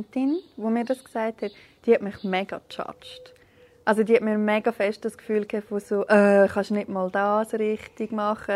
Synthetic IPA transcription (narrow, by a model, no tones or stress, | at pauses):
ntɪnʋomiːɾdɑsksaɪthɛt | d̥iːhɛtmɪχmɛɡ̥ɑt͡ʃɑ̰t͡ʃt | ʔɑls̬odiːhɛtmiːɾmɛɡɑfɛʃt̚d̥ɑskfyːlkʰɛfosoʔæːχɑʃnɪdmɔːldɑːsɾɪχtɪɡ̥mɑχə